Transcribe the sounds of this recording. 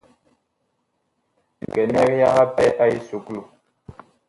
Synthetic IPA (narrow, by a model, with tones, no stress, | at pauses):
kɛ˨nɛ˦ɾja˦ɣa˦pɛ˦ʔa˦i˦su˨klu˨